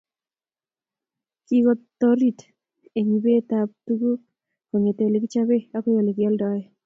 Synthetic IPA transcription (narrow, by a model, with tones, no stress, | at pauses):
kiko˦tːoɾi˨t | e˨ɲi˨be˦ta˨p̚tuku˦ | ko˨ɲe˨te˨le˨ki˦t͡ʃa˦βe˦a˦ko˦jo˨le˨kjɔ˦ldɔ˦e˦